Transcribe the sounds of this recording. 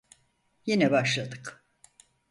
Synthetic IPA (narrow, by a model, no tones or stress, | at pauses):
jinɛbaʃlˠad̪ɯk